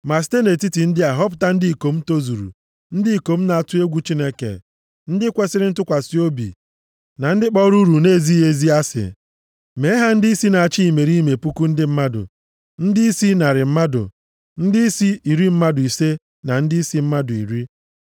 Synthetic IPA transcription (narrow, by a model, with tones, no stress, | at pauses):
ma˨s̬te˦ne˨ti˦ti˨n̩˦dɪ˦a˨ɦɔ˦p̬ʊ̥˨ta˦n̩˦di˦i˨ko˨m̩˦to˦zu˨ɾṵ˨ | n̩˦dɪ˦i˨ko˨m̩˦na˨a˦˨tʊ˦e˦ɡʷu˦t͡ʃi˦ne˦kḛ˨ | n̩˦dɪ˦kʷe˦sɪ˦ɾɪ˦n̩˦tʊ˦kʷa˨si˦o˦bḭ˨ | na˨n̩˦dɪ˦k͡pɔ˦ɾu˦ɾu˨ne˦˨zi˦e˦zi˦a˦sɪ̰˨ | me˨˦ɦa˦n̩˦di˦i˦si˦na˨a˨t͡ʃi˦i˨me˨ɾi˦me˨pu˦ku˦n̩˦dɪ˦m̩˦ma˦dʊ̰˨ | n̩˦dɪ˦i˦si˦na˨ɾɪ˨m̩˦ma˦dʊ̰˨ | n̩˦dɪ˦i˦si˦i˨ɾi˦m̩˦ma˦dʊ˨i˨se˦ | na˨n̩˦dɪ˦i˦si˦m̩˦ma˦dʊ˨ḭ˨ɾi˦